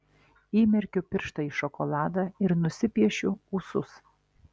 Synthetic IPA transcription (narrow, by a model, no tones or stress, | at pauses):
iːmʲɛɾʲkʲʊpʲɪɾʃt̪ɐiːʃɔkɔlˠɑːd̪ɑɪɾnʊsʲɪpʲiɛʃʲʊuːsʊs